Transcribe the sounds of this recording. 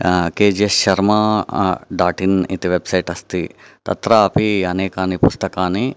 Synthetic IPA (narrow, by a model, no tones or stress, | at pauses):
keːd͡ʒesʃɐɾmɐ | ɖaːʈinit̪iʋebsɐjʈɐst̪i | t̪ɐ̰t̪ɾɐɐpiɐneːkaːnipust̪ɐkaːni